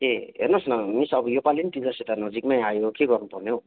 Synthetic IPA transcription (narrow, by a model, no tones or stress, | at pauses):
eɦḛrnʌsnʌmisʌbʌjopalinʈid͡zaset̪anʌd͡zikmajajokeɡʌrnupʌrneo